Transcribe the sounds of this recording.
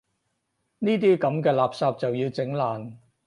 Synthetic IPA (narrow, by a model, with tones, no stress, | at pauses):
niː˥t̪̬iː˥kɐ˨˥mkɛː˧laː˨p̚saː˧p̚t͡sɐ˨wjiː˧wt͡sɪ˨˥ŋlaː˨n